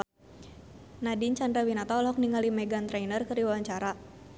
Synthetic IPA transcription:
nadiɲt͡ʃandɾawinat̪aɔlɦɔk̚niŋalimɛɡant̪ɾɛjnərkərdiwawaɲt͡ʃaɾa

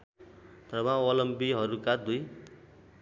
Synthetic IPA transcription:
t̪rʌbãʌlʌmbiɦʌɾukad̪uj

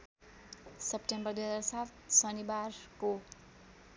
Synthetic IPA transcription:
sʌp̚ʈembʌrd̪ujɦʌd͡zarsat̪sʌnibarko

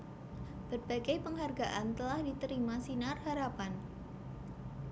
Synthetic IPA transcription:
b̥ərbaɡajpəŋɦarɡaʔant̪əlahdit̪əɾimasinarɦaɾapan

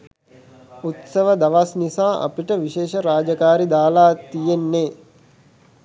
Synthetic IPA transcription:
ut̪səʋəd̪aʋasnisaːʔa̰piʈəʋiʃeːʃəɾaːd͡ʒəkaːɾid̪aːlaːt̪ijenːeː

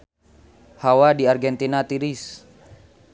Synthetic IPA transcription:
hawadiarɡɛnt̪inat̪iɾis

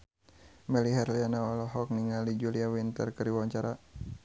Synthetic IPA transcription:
mɛliɦɛrlianaɔlɔɦɔk̚niŋalid͡ʒuliawint̪ərkəɾiwaaɲt͡ʃaɾa

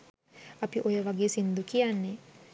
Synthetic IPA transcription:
apiʔojaβaɡesind̪ukianɛ

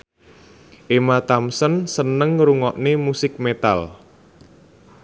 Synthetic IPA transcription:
ʔemat̪amsənsənəŋɾuŋɔʔnemusɪk̚met̪al

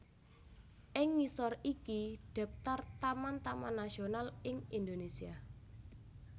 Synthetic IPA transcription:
ʔɪŋːisɔrikiɖ̥ɛ̤p̚t̪art̪amant̪amanːasionalɪŋind̪onesia

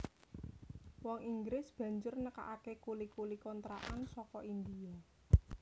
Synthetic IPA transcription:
wɔŋiŋɡɾɪsb̥ä̤ɲd͡ʒʊrnəka̰ʔakekulikulikɔnt̪ɾa̰ʔansɔkɔʔind̪ia

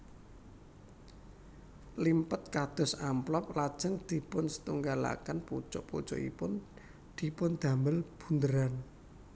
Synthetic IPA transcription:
limpət̪̚kad̪̥ɔ̤samplɔp̚lad̥ʒ̥ə̤ŋd̪̥i̤pʊnsə̥t̪uŋɡala̰kənput͡ʃɔ̰ʔput͡ʃɔ̰ʔḭpʊn | d̪̥i̤pʊnd̪̥a̤məlb̥ṳnd̪əɾan

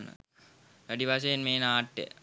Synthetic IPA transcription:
nə̰ | ʋæɖiʋas̬ejenmeːnaːʈːḛ

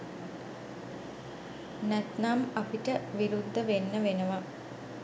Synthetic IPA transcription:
næt̪namapiʈəʋiɾud̪ːəʋenːəʋenəʋa

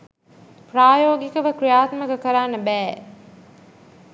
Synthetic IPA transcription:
praːjoːɡikəʋəkɾijaːt̪məkəkəɾaːnːəbæː

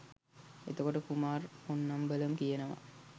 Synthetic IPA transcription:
et̪okoʈəkumaːrunːambələmkijənəʋa̰

